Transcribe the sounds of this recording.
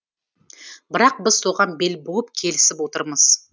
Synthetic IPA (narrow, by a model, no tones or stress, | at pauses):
bɪɾɑq̚bɪz̥so̞ʁɑnbe̞lbolˠəp̚kʲʰe̞lɪsɪpwo̞t̪əɾməz̥